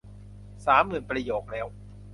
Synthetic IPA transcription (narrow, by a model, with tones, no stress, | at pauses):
saː˩˦mːɯː˨˩npɾa˧joː˨˩k̚lɛː˦˥w